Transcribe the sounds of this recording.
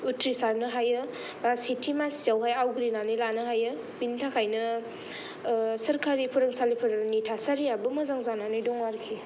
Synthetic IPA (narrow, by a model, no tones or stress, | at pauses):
utɾisaɾnɯɦajɯ | basitʰimasijawɦajawɡɾinanɯjlanɯɦajɯ | pintʰakʰajnɯ | sɐɾkʰaɾipʰɯɾɯŋsalipʰɯɾɯnitʰasaɾijabɯmɐzaŋzananɯjdɔŋwaɾkʰi